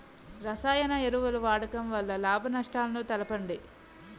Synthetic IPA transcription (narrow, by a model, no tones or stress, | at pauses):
ɾɐsaːjɐnɐeɾuʋɐluʋaːɽɐkɐmʋɐlːɐlaːbʱɐnɐʂʈaːlɐnut̪ɐlɐpɐɳɖi